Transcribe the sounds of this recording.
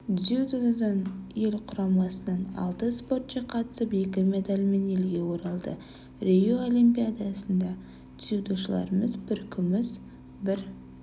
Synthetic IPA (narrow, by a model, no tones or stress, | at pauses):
ziud̪od̪əɴje̞lʲqʰʊɾɑmɑsənɑnɑ̰lˠt̪əspo̞rt̪t͡ʃeqʰɑt̪ə̥səpe̞kʲɪme̞d̪alʲme̞ne̞lɡʲe̞wo̞ɾɑlˠd̪ə̰ | rʲejoolʲimpijad̪asənd̪ɑ | d̪iud̪oʃəlˠɑ̰ɾəməzbɪɾkʲʰʏmɪz | bɪɾ